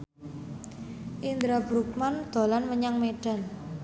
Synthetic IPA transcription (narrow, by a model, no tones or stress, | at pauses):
ʔind̪ɾabɾuk̚mand̪̥o̤lanməɲaŋmeɖ̥a̤n